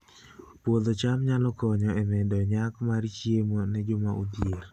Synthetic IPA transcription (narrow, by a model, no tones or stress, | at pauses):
pwod̪ot͡ʃamɲalɔkɔɲɔɛmɛdɔɲakmaɾt͡ʃjemonɛd͡ʒʊmaʔṵdjer